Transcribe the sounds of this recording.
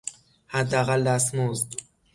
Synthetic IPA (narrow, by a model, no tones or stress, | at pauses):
had̪ːaɣald̪æsmuz